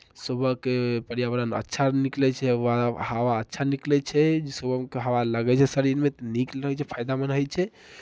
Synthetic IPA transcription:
səbəkepəɾijaʋəɾənə̰tːʃʰaniklɛt͡ʃʰɛahaʋaətːʃʰaniklɛt͡ʃʰɛd͡ʒsəbəmkeɦəʋaləɡɛt͡ʃʰɛsəɾiɾmet̪niklɾəɦɛt͡ʃʰɛpʰajd̪amənɦəjt͡ʃʰɛ

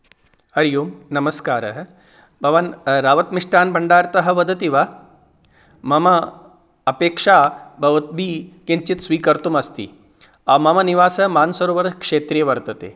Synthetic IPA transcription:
ɐɾjuːmnɐmɐskaːɾɐɦɐ | bʱɐʋɐnɾaːʋɐt̪miʂʈaːnbʱɐɳɖaːɾt̪ɐɦɐ̆ʋɐd̪ɐt̪iʋɐ | mɐmɐ | ɐpeːkʂaːbʱɐʋɐt̪̚bʱiːkiɲt͡ʃit̪sʋiːkɐɾt̪umɐst̪ḭ | aːmɐmɐniʋaːsɐmaːnsɐɾuʋɐɾkʂeːt̪ɾijɐʋɐɾt̪ɐt̪ḛː

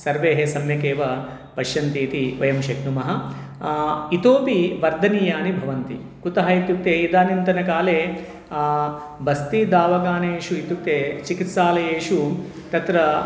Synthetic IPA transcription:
sɐɾʋeːɦesɐmjɐkeːʋɐ | pɐʃjɐnt̪iːt̪iʋɐjɐmʃɐknumɐɦɐ̆ | it̪oːpiʋɐɾd̪ʱɐniːjaːnibʱɐʋɐnt̪ḭ | kut̪ɐɦɐit̪juk̚t̪eːid̪aːnint̪ɐnɐkaːleː | bɐst̪id̪aːʋɐɡaːneːʂuit̪juk̚t̪eːt͡ʃikit̪saːlɐjeːʃu | t̪ɐt̪ɾɐ

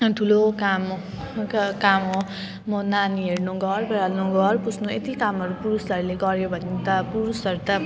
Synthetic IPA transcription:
ʈʰulokam | kamɦo | mʌnaniɦeɽnuɡʌrbeɾalnoɡʌrpusʰnoet̪ikamʌɾupuɾusʌɾuleɡʌɾjobʱʌnːit̪ʌpuɾusʌɾut̪ʌ

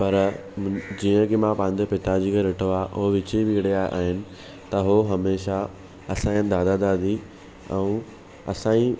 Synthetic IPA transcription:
pɐɾ | d͡ʑiːə̃kemãpãːɪ̃ɲ̆d͡ʑ̪epɪt̪ad͡ʑikeɾɪʈʰoaːʔʊɦoʋɪt͡ɕiʋiɽiaːʔa̰ːɦɪnɪ̆ | t̪ɐɦoɦɐmeːʃa | ɐsãːənd̪aːd̪ad̪aːd̪i | ɛ̰̃ũ | ɐsãːĩ

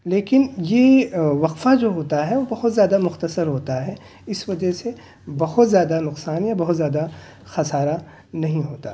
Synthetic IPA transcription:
leːkɪnjeʋɐqfad͡ʒoːɦoːt̪aɦɛʋobɐɦʊt̪zjaːd̪amʊxt̪əsəɾɦoːt̪aɦɛ | ɪsʋɐd͡ʒəse | bɐɦʊt̪zjaːd̪anʊqsaːnjabɐɦʊt̪zjaːd̪a | xɐsaːɾa | nɐɦĩɦoːt̪a

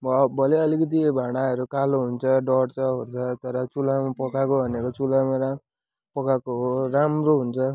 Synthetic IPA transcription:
bbʱʌleʌlikʌt̪̬ibʱaɽ̃aʌɾukaloɦunt͡sʰʌɖʌɽt͡sʰʌɦort͡sʰʌt̪ʌɾʌt͡sulamapʌkakobʱʌnekot͡sulamaɾa | pʌkakoɦoɾamroɦunt͡sʰʌ

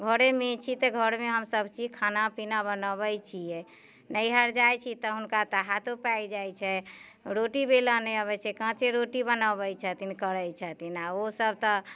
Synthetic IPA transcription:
ɡʱəɾemet͡ʃʰit̪əɡʱəɾmeɦəmsəbt͡ʃid͡ʒkʰanapinabənəβəjt͡ʃʰijɛ | nəjɦəɾd͡ʒajt͡ʃʰit̪ɔɦunkat̪əɦat̪opad͡ʒajt͡ʃʰɛ | ɾoʈibelanɛəβɛt͡ʃʰɛkãt͡ʃeɾoʈibənəbɛjt͡ʃʰət̪inkəɾəjt͡ʃʰət̪ʰinaosəb̚t̪ɔ

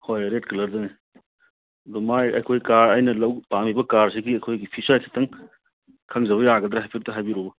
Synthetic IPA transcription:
hojɾet̚kɐlɐɾzɐne | ɐdɔmajɐ̰jkʰojkaɾɐjnɐlɐwpamibɐkaɾsiɡiɐjkʰojɡipʰisajsʰi̥tʰɐŋ | kʰɐŋzɐβɐjaɡɐd̪ɾahajpʰiɾtɐɦajbiɾobɐ

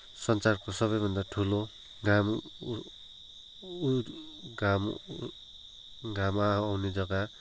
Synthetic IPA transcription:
sʌnt͡sarkosʌβʌjbʱʌnd̪aʈʰulo | ɡam | uɡam | ɡamaːwned͡zʌɡa

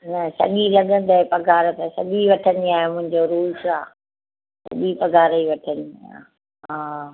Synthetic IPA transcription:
nɐsɐ̰ɠilɐɠə̃nd̪əepɐɡʱaːɾt̪ɐsɐ̰ɠiʋɐʈʰə̃nd̪iaːɦomʊ̃ɦɪ̃ɲd͡ʑoɾuːsaː | sɐ̰ɠipɐɡʱaːɾəiʋɐʈʰənd̪iiaa | ɦaː

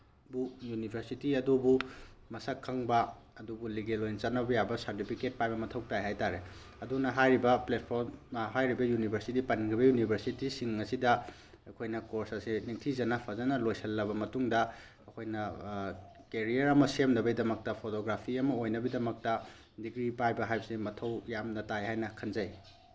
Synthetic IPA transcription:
bujunibʰʱeɾsitiɐdubumɐsɐkʰːɐŋbɐ | ɐdubuliɡelojnt͡ʃɐtnːɐbɐjabɐsɐɾtipʰiket̚pajbɐmɐtʰɐwtajɦajtaɾe | ɐdunɐɦajɾibɐplet̚pʰoɾmɦajɾibɐjunibʱɐɾsitipɐniŋkʰɾibɐjunibʱɐɾsitisiŋɐsidɐ | ɐkʰojnɐkoɾsɐsiniŋtʰizɐnɐpʰɐzɐnɐlojsɐlːɐbɐmɐtuŋdɐː | kʰojnɐ | keɾijɐɾɐmɐsemndɐbɐjdɐmɐk̚tɐpʰotoɡɾapʰiɐmɐojnɐbidɐmɐk̚tɐ | diɡɾipajbɐɦajbɐsemɐtʰɐwjamnɐtajɦajnɐkʰɐnzɐj

